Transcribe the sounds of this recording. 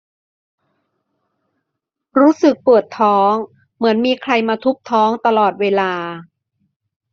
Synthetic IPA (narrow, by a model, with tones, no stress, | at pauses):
ɾuː˦˥sɯ˨˩k̚pɯ˨˩ət̪ʰːɔː˦˥ŋ | mɯ˩˦ənmiː˧kʰɾa˧jmaː˧t̪ʰu˦˥p̚t̪ʰɔː˦˥ŋt̪a˧lɔː˨˩t̪̚weː˧laː˧